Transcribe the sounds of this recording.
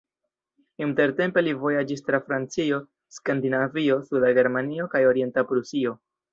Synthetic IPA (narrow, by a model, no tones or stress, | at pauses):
inte̞ɾte̞mpe̞livo̞jad͡ʒistɾafɾant͡sio̞ | skandinavio̞sudaɡe̞ɾmanio̞kajo̞ɾie̞ntapɾusio̞